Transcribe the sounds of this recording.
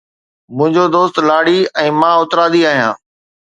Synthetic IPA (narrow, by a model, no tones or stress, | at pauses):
mʊ̃ɦɪ̃ɲd͡ʑod̪oːst̪laːɽiɛ̃ːmãːʊt̪ɾaːd̪iaːɦijãː